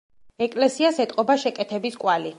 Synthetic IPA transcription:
ɛkʼlɛsiasɛt̪ʼqʼɔbaʃɛkʼɛt̪ʰɛbiskʼwali

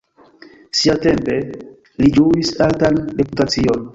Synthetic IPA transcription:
siate̞mpe̞ | lid͡ʒuisaltanɾe̞putat͡sio̞n

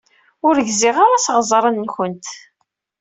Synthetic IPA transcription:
ʊɾəʝziʁaɾasʁəzˤɾˤənːçənt̪

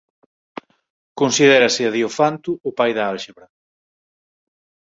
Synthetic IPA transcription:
konsiðɛɾɐsɪaðiofant̪ʊːpajðɐalʃeβɾɐ

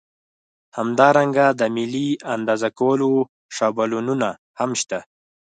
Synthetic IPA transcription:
hamd̪ɑɾaŋɡad̪əmɪliand̪ɑzakawəlo | ʂɑbalununa | hamʃt̪a

